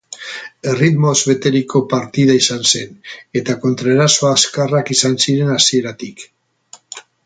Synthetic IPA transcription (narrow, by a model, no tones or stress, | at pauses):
e̞rit̪mo̞zβe̞t̪e̞ɾikʰo̞paɾt̪iðaisanse̞ne̞t̪ako̞nt̪ɾaeɾaso̞aːskarakisansiɾe̞nasie̞ɾat̪ik